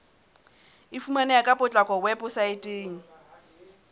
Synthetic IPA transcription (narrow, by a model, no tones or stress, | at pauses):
ɪfumanɛjakʼapʼʊt͡ɬʼakʼɔwɛpʊsaɪtʼeːŋ̩